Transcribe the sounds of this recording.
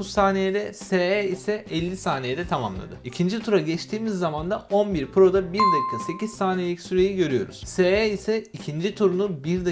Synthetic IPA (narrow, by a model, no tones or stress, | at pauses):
ussaːnejed̪ɛseeisɛɛlʲːisaːnejɛd̪ɛt̪ʰama̰mlˠa̰d̪ɯicʰind͡ʒit̪ʰuɾaɟɛt͡ʃt̪ʰiːmizːamand̪aʔo̞nbiɾpʰɾo̞d̪abiɾd̪ekkʰːase̞ciz̥saːnelʲicsyɾe̞jiɟø̞ɾyjo̞̰ɾṵz̥seeisɛicʰind͡ʒit̪ʰuɾunubiɾd̪a